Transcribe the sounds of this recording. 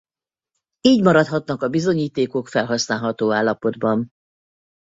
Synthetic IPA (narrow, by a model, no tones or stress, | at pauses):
iːɟmɒɾɒt̪hɒt̪nɒkɒbizo̞ɲiːt̪eːko̞kfɛlɦɒsnaːlɦɒt̪oːaːlːɒpo̞d̪bɒn